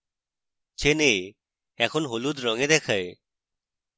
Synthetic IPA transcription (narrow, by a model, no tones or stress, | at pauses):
t͡ʃʰene | ɛkʰɔnɦolud̪ɾɔŋed̪ɛkʰae